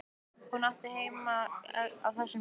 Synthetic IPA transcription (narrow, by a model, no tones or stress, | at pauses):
hunaht̪ɪheːjmaa̰ðθɛsːʏ